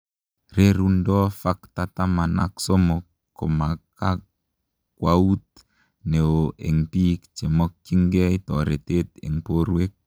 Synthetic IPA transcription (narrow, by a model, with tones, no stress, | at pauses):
ɾe˦ɾu˦ndɔ˦fa˦kt̪a˨ta˦ma˨na̰˦kso˦mɔ˨kː | o̰˨ma˨ka˦ | kwa˦u˦t̪̚ | ne˨o˨ʔe˨ŋpi˦kt͡ʃe˨mɔ˦k̚t͡ʃi˦ŋɡɛ˦i˦tɔ˨ɾe˨t̪e˦t̪ḛ˨ŋpo˦ɾwe˦k̚